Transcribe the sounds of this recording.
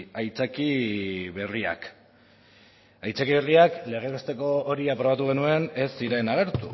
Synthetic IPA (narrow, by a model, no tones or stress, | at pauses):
ajt͡sakiβe̞ria̰k | ajt͡sakiβe̞riakle̞ɣ̞e̞kost̪e̞ko̞ːɾiapɾo̞β̞at̪̬uɣe̞nue̞ne̞siɾe̞naɣ̞e̞ɾt̪u